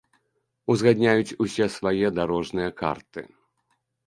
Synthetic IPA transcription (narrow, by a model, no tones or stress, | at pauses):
uzɣad̪ʲnʲajut͡sʲusʲɛsvajɛd̪aɾɔʐnɨjɐka̰rt̪ɨ̰